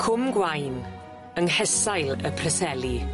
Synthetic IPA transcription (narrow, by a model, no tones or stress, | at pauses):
kʰʊmɡwajn | əŋhɛsajlˠəpʰrɛsɛlˠi